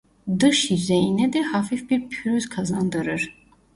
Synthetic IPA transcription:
d̪ɯʃjyzejinɛd̪ɛhafifbiɾpʰyɾyzkʰazand̪ɯɾɯɾ̥

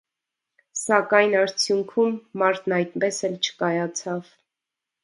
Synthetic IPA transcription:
sɑkɑjnɑɾt͡sʰjuŋkʰumːɑɾt̪ʰnɑjt̪pɛsɛlt͡ʃʰə̥kɑjɑt͡sʰɑv

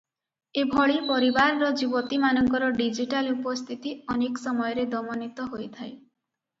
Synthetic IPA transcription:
ebʱɔɭipɔɾibaɾɾɔd͡ʒibɔt̪imanɔŋkɔɾɔɖid͡ʒiʈalupɔst̪ʰit̪iɔnekɔsɔmɔjɔɾed̪ɔmɔnit̪ɔɦojt̪ʰaj

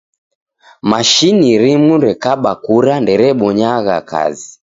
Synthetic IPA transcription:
maʃiniɾimuɾɛkaɓakuɾandɛɾɛɓɔɲaɣa̰ka̰zi

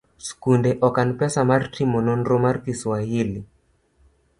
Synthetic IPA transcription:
skundɛʔɔkanpɛsamaɾtimɔnɔnɾɔmaɾkiswahili

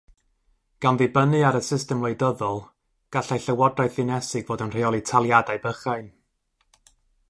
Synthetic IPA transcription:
ɡ̥anðibənɨaɾəsɪstɛmwejdɔðɔlˠ | ɡ̥aɬajɬəwɔdrajθɨnɛsɨɡvoːdənr̥ejɔlˠitʰalˠjadaɨbəχajn

